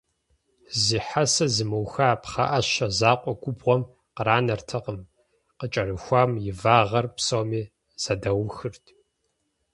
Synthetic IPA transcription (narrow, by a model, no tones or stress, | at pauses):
ziːħasɐzɨmɨwxaːpχɐ̰ʔɐʃɐzaːqʷʼɔɡʷʊbʁʷɔm | qəɾaːnɐrtʰɐqəm | qət͡ʃʼɐrɨxʷaːmjɪvaːʁɐrpsowmiː | z̥ɐdɐwxɨrtʰ